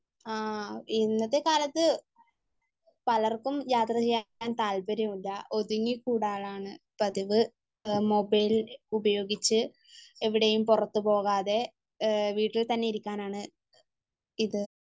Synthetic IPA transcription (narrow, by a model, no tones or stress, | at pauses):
aːinːɐðekaːlɐt̪ːɨ | pɐlɐrkumjaːt̪rɐt͡ɕijːaaːnt̪aːlbɐɾɐmulːɐʔo̞ðuŋːikuːɽaːɭaːɳɨ | pɐðiʋɨ | mo̞bɐjlubɐjo̞ːɡit͡ɕːɨ | eʋiɽejumpurɐt̪ːupo̞ːɣaːðe̞ | ʋiːʈːilt̪ɐnːeiɾikʲːaːnaːɳɨ | iðɨ